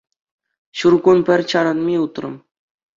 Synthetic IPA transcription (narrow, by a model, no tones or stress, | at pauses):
ɕurɡunpʲɘ̆rʲt͡ɕɑɾɤ̆nmʲiut̪rɤ̰̆m